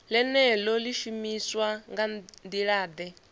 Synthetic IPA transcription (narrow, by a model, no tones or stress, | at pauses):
lɛnɛlɔliʃumiswaŋɡand̪iɺaːd̪ɛ